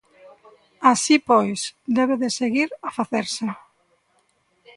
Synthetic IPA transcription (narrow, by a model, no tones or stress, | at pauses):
asipɔjsd̪ɛβ̞eðɪseɣiɾafaθeɾsa